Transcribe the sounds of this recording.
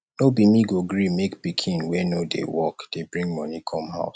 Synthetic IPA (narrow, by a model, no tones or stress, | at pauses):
nobimiɡoɡɹimekbikʰĩnwɛnodḛwɔkd̥ebɹĩŋmɔ̃nikʰɔmha̰ʊs